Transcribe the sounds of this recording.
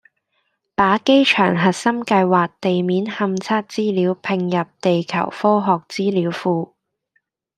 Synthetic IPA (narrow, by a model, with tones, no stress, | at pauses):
paː˨˥ke˥jt͡ʃʰœː˨˩ŋɦɐ˨t̚sɐ˥mkɐ˧jwaː˨k̚t̪e˨jmiː˨˥nhɐ˧mt͡sʰaː˥t̚t͡siː˥liː˨˥wpʰɪ˧ŋjɐ˨p̚t̪e˨jkʰɐ̰˨˩wfɔː˥ɦɔː˨k̚t͡siː˥liː˨˥wfuː˧